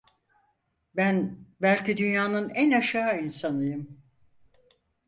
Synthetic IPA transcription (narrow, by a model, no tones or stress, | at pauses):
bænbælʲcid̪ynjaːnɯnænaʃaːinsanɯjɯm